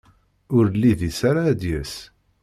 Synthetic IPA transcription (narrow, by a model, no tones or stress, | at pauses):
ʊɾlːiðisaɾaːd̪jæs